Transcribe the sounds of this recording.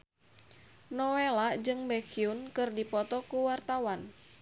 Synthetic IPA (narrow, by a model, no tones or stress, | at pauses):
nɔwelaʔd͡ʒɨŋbɛkʰiunkɨrdipɔt̪ɔkuwart̪awan